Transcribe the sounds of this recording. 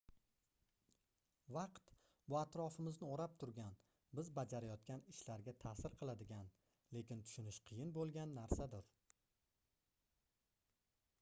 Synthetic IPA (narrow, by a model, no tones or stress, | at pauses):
vɑqt̪ | bʊat̪ɾɒfɪmɪznɪoɾap̚t̪ʰʊɾɡʲan | bɪzbad͡ʒaɾajɒt̪̚kʲʰanɪʃlaɾɡʲat̪ʰasɪɾqʰɨlˠad̪ɪɡʲan | le̞kʲɪnt̪ʰʊ̥ʃʊnɪʃqʰɨjɪnbolˠɡʲanːaɾsad̪ɪɾ